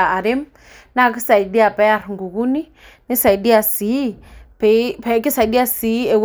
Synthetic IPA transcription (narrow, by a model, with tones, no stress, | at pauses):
a˨a˨ɾɛ˦m | na˦ki˦sa˨i˨di˦a˨pɛ˦a˨ɾŋɡu˨ɣu˦ni˦ | ni˦sa˨i˨di˦a˨si˨˦pɛ˨pɛ˨˦ki˦sa˨i˨ɗi˦a˦si˨˦ɛ˨w